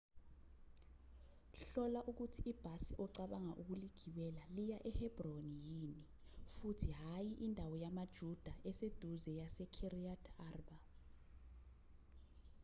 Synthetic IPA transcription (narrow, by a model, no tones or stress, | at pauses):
ɬɔlaʔuk̬utʰiib̥ʱasiʔɔǀaɓaŋaʔuk̬uliɡ̥ʱiwɛlalijaʔɛhɛb̥ronijini | futʰiɦajiʔindʱawɔjamad̥ʒ̥ʱud̥ʱaʔɛsed̥ʱuzɛjasɛkʰiriatʰaːrba